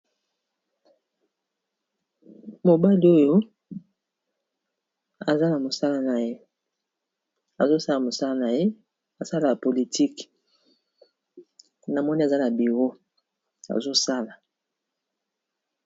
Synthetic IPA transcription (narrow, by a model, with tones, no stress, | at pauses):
mo˨ba˦li˦o˦jo˦ | a˨za˦na˨mo˨sa˦la˦na˨je˦ | a˨zo˦sa˦la˨mo˨sa˦la˦na˨je˦ | a˨sa˦la˨ja˨po˨li˨tʰi˦k | na˨mɔ˦ni˦a˨za˦na˨bi˨ʁo˦ | a̰˨zo˦sa˦la˨